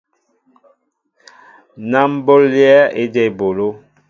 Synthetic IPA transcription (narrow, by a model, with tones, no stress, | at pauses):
na˦m˦bo˦lːjɛ˦e˦dɛ˦˨bo˨lo˦